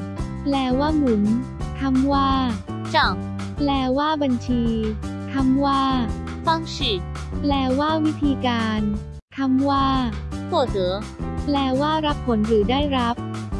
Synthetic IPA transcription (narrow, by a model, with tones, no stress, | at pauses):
plɛː˧waː˥˩mu˩˦n | t̪ʰa˧˥mwaː˥˩ | t͡ɕɔ˨˩ŋ | plɛː˧waː˥˩ba˧nt͡ɕʰiː˧t̪ʰa˧˥mwaː˥˩ | fa˥˩ŋɕiː˨˩t̪̚ | plɛː˧waː˥˩wi˦˥t̪ʰiː˧kaː˧n | t̪ʰa˧˥mwaː˥˩pʰuː˧˩ɤː˩˦plɛː˧waː˥˩ɾa˦˥pʰːo˨˩˦nɾɯː˩˦daː˥˩jɾa˦˥p̚